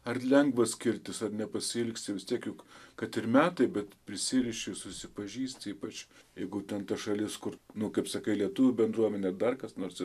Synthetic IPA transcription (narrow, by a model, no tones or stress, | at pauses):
ɐrlʲɛŋɡʋɐskʲɪɾʲt̪ʲɪsɐrnʲɛpɐsʲɪɪlʲksʲt̪ʲɪʋʲɪstʲiɛkjʊkkɐt̪ɪɾmʲæːt̪ɐɪbʲɛt̪pʲɾʲɪsʲɪɾʲɪʃʲɪsʊsʲɪpɐʒʲiːsʲt̪ʲiːpɐt͡ʃʲjɛɪɡʊt̪ʲɛnt̪ɐʃɐlʲɪskʊɾnʊkɐɪpsɐkɐɪlʲiɛt̪ʊʋʲʊbʲɛnd̪ɾuɔmʲɛnʲɛɐd̪ɐrkɐsnoːɾsɪ